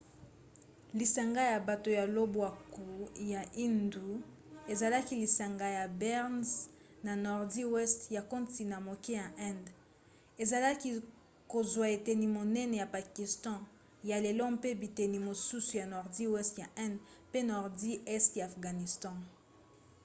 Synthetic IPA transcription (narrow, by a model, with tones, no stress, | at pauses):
li˨sa˨ŋɡa˦ja˨ba˨to˨ja˨lo˦bwa˨ku˨ja˨ʔi˦ndu˨ | e˨za˨la˦ki˦li˨sa˨ŋɡa˦ja˨bɛ˦ʁnsna˨nɔ˨ʁdi˦wɛ˦stja˨ko˦nti˨na˨mo˨ke˦ja˨ʔɛ̃˦nd | e˨za˨la˦ki˦ | ko˨zwa˨e˨te˨ni˨mo˨nɛ˦nɛ˨ja˨pa˨ki˨stɑ̃˦ | ja˨le˨lɔ˦pe˦bi˨te˨ni˨mo˨su˦su˨ja˨nɔ˨ʁdi˦wɛ˦stja˨ʔɛ̃˦ndpe˦nɔ˨ʁdi˦ɛ˦stjaː˨fɡa˨ni˨stɑ̃˦